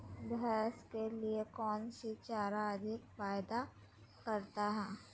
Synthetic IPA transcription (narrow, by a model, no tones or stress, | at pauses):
bɦɛɛːskeliekɔːnsit͡ʃaːɾaɐd̪ʱɪkfaːjd̪a | kɐɾt̪aɦɛː